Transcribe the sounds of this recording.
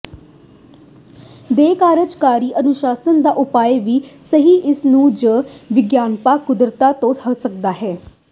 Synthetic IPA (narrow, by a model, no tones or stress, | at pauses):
d̪eːkaːɾəd͡ʒkaːɾiːʔənʊʃaːsənd̪aːʔʊpaːeʋiːsəɦiːʔɪsnũːd͡ʒəʋɪɡjaːnpaːkʊd̪ɾət̪aːt̪õːəsək̚d̪aːɦɛː